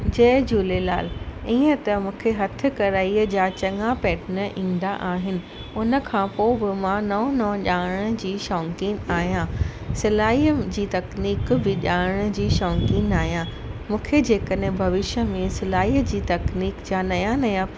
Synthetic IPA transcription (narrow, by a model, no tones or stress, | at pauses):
d͡ʑɐːd͡ʑuːlelaːlĩːə̃t̪ɐmũːkʰeɦɐt̪ʰɪ̆kɐɾaːiəd͡ʑaːt͡ɕɐŋapɛːʈnəʔĩːnd̪aʔaːɦɪnɪ̆ | ʊnə̆kʰãːpoːbɪmãnɐɦnɐ̃ːʄaːɽ̃ə̆d͡ʑiːʃɔːŋkiːnaːɦijãsɪlaːiəd͡ʑiːt̪ɐkniːkbɪʄaːɽ̃̆d͡ʑiːʃɔːŋkiːnaːɦijã | mũːkʰed͡ʑeːkəɗɦɪ̃bʱɐʋɪʃə̆mẽsɪlaːiːəd͡ʑiːt̪ɐkniːkd͡ʑaːnɐjãnɐjã